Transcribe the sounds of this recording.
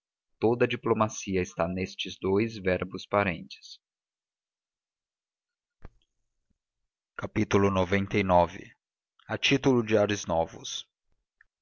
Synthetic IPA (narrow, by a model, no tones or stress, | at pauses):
t̪od̪ɐd͡ʒiplomasiɐɪst̪anest͡ʃɪzd̪ojzvɛɾbʊspaɾẽnt͡ʃɪ̥s | kapit̪ulʊnovẽnt̪ejnɔvɪ̰ | at͡ʃit̪ulʊd͡ʒɪaɾɪznɔvʊ̰s